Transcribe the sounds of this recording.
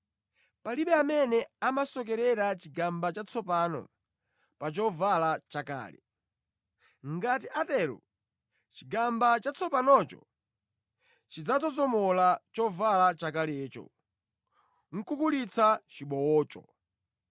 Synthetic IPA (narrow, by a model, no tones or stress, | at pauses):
paliɓɛamɛnɛamasɔk̬ɛɾɛɾat͡ʃiɡambat͡ʃat͡sʰɔpanɔ̰ | pat͡ʃɔvalat͡ʃaka̰ːlɛ̰ | ŋɡat̬iʔatɛɾṵ | t͡ʃiɡambat͡ʃat͡sʰɔpanɔt͡ʃɔ̰ | t͡ʃid͡zat͡sɔzɔmɔlat͡ʃɔvalat͡ʃakalɛːt͡ʃɔ̰ | ŋ̩kukulit͡sʰat͡ʃiɓɔwɔːt͡ʃɔ